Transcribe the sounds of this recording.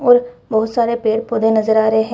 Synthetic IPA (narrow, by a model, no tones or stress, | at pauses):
ɔːɾbɔɦʊt̪saːɾeːpeːɽpoːd̪ẽːnəzəɾaːɾəeːɦɛ̃